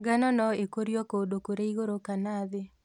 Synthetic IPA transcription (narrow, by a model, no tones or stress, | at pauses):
ɡanɔnɔekoɾjɔkodokoɾeiɣoɾokanaðe